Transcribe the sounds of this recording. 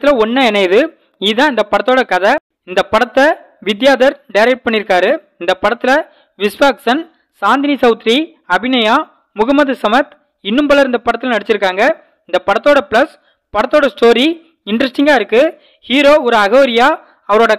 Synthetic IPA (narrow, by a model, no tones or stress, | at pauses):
ɪlɐɔnːɐɛnɐɪðɯ | iðãːɪnd̪ɐpɐɽɐt̪ːoːɽɐkɐðɐ | ɪnd̪ɐpɐɽɐt̪ːɐ | ʋɪd̪jaːðɐɾɖɐjɾɐɪʈ̚pɐɳːɪɾɯkːaːɾɯɪnd̪ɐpɐɽɐt̪ːɪlɐ | ʋɪsʋaːksɐn | saːnd̪ɪnisɐʊt̪ɾi | ɐbɪnɐjaː | mʊɣɐmɐðɯsɐmɐt̪ | ɪnːɯmbɐlɐɾɯnd̪ɐpɐɽɐt̪ːɪlɐnɐɽɪt͡ʃːɪɾɯkːaːŋɡɐ | ɪnd̪ɐpɐɽɐt̪ːoːɽɐplɐs | pɐɽɐt̪ːoːɽɐsʈoːɾi | ɪɳɖɾɐsʈɪŋɡaːɪɾɯkːɯ | hiːɾoːɔɾɯɐɣɐːɾɪjaː | ɐʋɐɾoːɽɐ